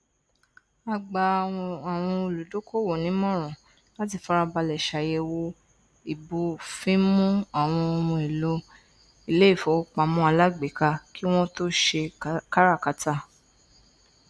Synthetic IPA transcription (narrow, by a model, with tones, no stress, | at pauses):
a˧ɡ͡ba˧˨a˨w̃ɔ̃˧o˧˨lu˨do˨˦ko˦wo˨nĩ˨˦mɔ̃˦˨ɾ̃ɔ̃˨ | la˦t̬i˦˨fa˨˧ɾa˧ba˧lɛ˨ʃa˨je˧wo˧ | i˨bo˧fĩ˦mũ˦a˨w̃ɔ̃˧o˧mũ˧i˨lo˧ | i˦le˦i˦˨fɔ˨˦k͡pa˨mũ˦a˧la˦ɡ͡be˨ka˧ki˦w̃ɔ̃˦to˦ʃe˧ka˦ɾa˦˨ka˨˦ta˦